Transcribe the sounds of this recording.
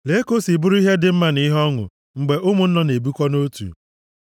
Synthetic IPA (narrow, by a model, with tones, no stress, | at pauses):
le˦ko˦si˨bʊ˦ɾu˦i˦ɦe˦dɪ˨m̩˦ma˦ni˦ɦɔ˦ŋʊ̰˨ | ŋ͡m̩˨ɡ͡be˨ʔʊ˦mʊ˨n̩˦nɔ˦ne˨bu˦kʷɔ˦no˦tṵ˨